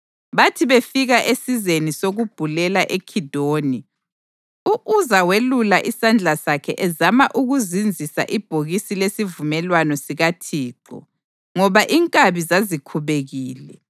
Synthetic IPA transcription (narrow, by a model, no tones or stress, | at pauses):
βatʰiβefiɣaʔesizenisoɣub̥ʱulɛlaʔekʰid̥ʱoːni | uʔuzawelulaʔisand͡ɮʱasakʰɛ̰ʔɛzamaʔuɣuzind͡zʱisa̰ʔib̥ʱoɣisilesivumɛlwanɔsiɣatʰiːǃɔ̰ | ŋɔβaʔiŋkʼaβizazikʰuβeɣiːlɛ